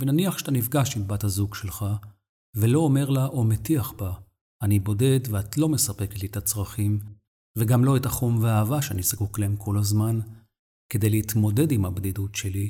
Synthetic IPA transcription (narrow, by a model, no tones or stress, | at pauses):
venaniaχʃe̥t̪anifɡaʃimbathazuɡʃe̞lχa | ve̞lo̞ːme̞ʁlaʔo̞metiaχba | anibo̞de̞dveatlo̞me̞sapeketlit̪at͡sʁaχim | veɡamlo̞etaχomveaːvaʃeanisakuklaemkʰo̞lhazman | ke̞d̪e̞jleit̪mo̞de̞dimhabd̪idutʃe̞li